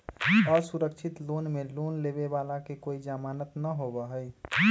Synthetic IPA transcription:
ɔːɾsuɾəkt͡ʃʰɪt̪loːnmeloːnleːbebaːlakekoːid͡ʒaːmaːnət̪nəɦobəɦəj

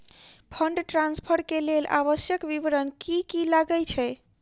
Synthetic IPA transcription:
pʰəɳɖʈɾãnspʰəɾkelelʔa̰βəsjəkbiʋɾənkikilaɡət͡ʃʰɛ

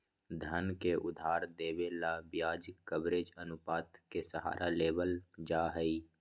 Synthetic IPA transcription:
d̪ʱənkeʔʊd̪ʱaːɾd̪eːʋelabjaːd͡ʒɪkːəbɾeːd͡ʒənʊpaːt̪kesəɦa̰ːɾʔaleːbəld͡ʒaːɦəi

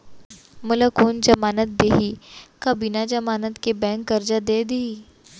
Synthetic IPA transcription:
mʊlakoːnd͡ʒɐmaːnət̪̚d̪eɦikɐbinad͡ʒɐmaːnət̪kebɛ̃ːŋkːɐɾd͡ʒad̪ed̪eɦi

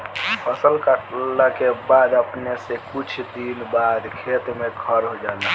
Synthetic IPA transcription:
pʰəsəlkəʈləkebad̪əpnesekut͡ʃʰd̪inbad̪kʰet̪meɡʰʱəɾɦod͡ʒala

